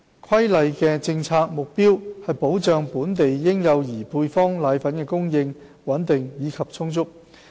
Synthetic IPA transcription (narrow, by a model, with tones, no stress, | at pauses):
kʷʰɐ˥jlɐ˨˧jkɛ˧t͡sɪ˧ŋt͡sʰaː˧k̚mʊ˨k̚piː˥whɐ˨jpo˨˥wt͡ʃœː˨˧ŋpuː˨˥nt̪e˨jːɪ˥ŋjɐ˨˧wjiː˨˩pʰuː˧jfɔː˥ŋlaː˨˧jfɐ˨˥nkɛː˧kʊ˥ŋjɪ˧ŋ | wɐ˨˥nt̪ɪ˨ŋjiː˨˧kʰɐ˨p̚t͡sʰʊ˥ŋt͡sʊ˥k̚